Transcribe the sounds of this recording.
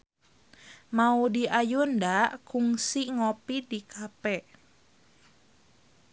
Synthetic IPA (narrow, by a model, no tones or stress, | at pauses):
maudiʔajundakuŋsiŋɔpidikʰapɛʔ